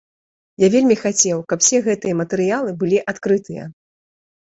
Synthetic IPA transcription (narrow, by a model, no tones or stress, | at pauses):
javʲelʲmʲixat͡sʲɛwkɐpwsʲɛɣɛt̪ɨjɐmɐt̪ɛɾɨjalˠɨbɨlʲiʔat̪kɾɨt̪ɨjɐ̰